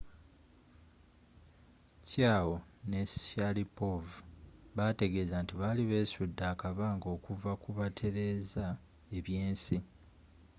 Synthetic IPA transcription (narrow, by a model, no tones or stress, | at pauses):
caːwo̞ne̞salipovuβate̞ɡe̞ːzantiβaliβe̞ːsudːaːkaβaːŋɡo̞ːkuvakuβatʰe̞ɾe̞ːza | e̞βje̞ːnsi